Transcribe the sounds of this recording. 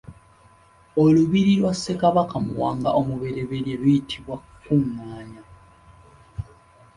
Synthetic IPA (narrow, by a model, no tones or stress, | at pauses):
oluβiɾilwasːe̞kaβakamuwaːŋɡaʔomuβe̞ɾe̞βe̞ɾjelujitʰiβwa | kuŋaːɲa